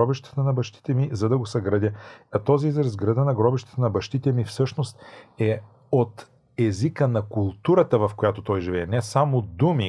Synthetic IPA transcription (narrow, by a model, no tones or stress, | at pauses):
ɔbiʃt̪ə̥t̪ənɐbɐʃt̪i̥t̪ɛmizɐd̪ɐɡosɐɡɾɐd̪ʲəɐt̪ɔziizɾɐzɡɾɐd̪ənɐɡɾɔbiʃt̪ə̥t̪ənɐbɐʃt̪it̪ɛmifsɤʃnost̪ɛ | ot̪ | ɛzikənɐkulˠt̪uɾət̪əvɐfkojat̪ot̪ɔjʒivɛɛnɛsamod̪umi